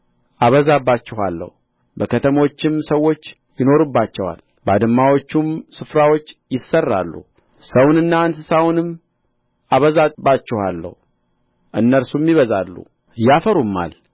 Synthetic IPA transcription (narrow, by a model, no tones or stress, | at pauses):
ʔaβəzabːat͡ʃːɪha̰lːə̰h | bəkʰət̪ʰəmo̞t͡ʃːɪmsəwːo̞t͡ʃː | jɪno̞ɾɨbːat͡ʃːɛwa̰l | bad̪ɨmːawo̞t͡ʃːumsɨfɾawo̞t͡ʃːjɪsːərːa̰lːṵ | səwnɨnːaːnsɨsawnɨm | aβəzabat͡ʃːɛhalːə̰hu | ʔɨnːəɾsumːiβəzalːṵ | jafəɾumːa̰l